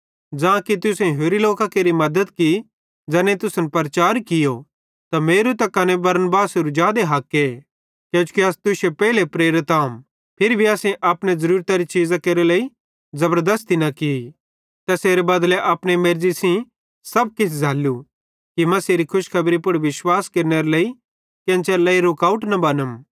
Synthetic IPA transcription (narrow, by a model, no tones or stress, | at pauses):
d͡ʒãːkit̪ʊsɛ̃ɦoːɾiloːkakeːɾimɐd̪əd̪ki | d͡ʒɛːnẽt̪ʊsənpɐɾt͡ʃaːɾkɪjo | t̪ameːɾut̪ɐkɐnebɐɾnbaːsʊɾud͡ʒaːd̪eɦɐkːe | kjõːt͡ʃu̥kiɐst̪ʊʃepɛːlepɾeːɾɪt̪aːũm | pʰɪɾibʱiaːsẽʔɐpnezɐɾuːɾt̪aɾit͡ʃiːzakeːɾelɐi | zɐbəɾd̪ɐst̪inɐkii | t̪ɐseːɾebɐd̪leʔɐpɽ̃emeːɾd͡ʒisĩ | sɐb̚kɪt͡ʃʰd͡zʱaːlːu | kimɐseːɾikʰʊʃkʰɐbɾipʊɽʋɪswaːskeːɾneɾɐleːi | kɐ̃t͡ʃɛlɐːiɾʊkaːʊʈnɐbɐnəm